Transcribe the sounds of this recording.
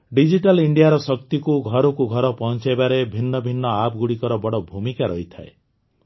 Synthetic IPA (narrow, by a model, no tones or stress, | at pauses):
ɖid͡ʒiʈaliɳɖijaɾɔsɔkt̪ikuɡʱɔɾɔkuɡʱɔɾɔpɔɦnt͡ʃabaɾebʱinːɔbʱinːɔapɡuɽikɔɾɔbɔɽɔbʱumikaɾɔɦit̪ʰa̰e